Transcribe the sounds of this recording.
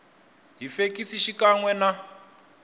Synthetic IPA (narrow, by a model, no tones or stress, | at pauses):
ɦifekisiʃikaŋwɛna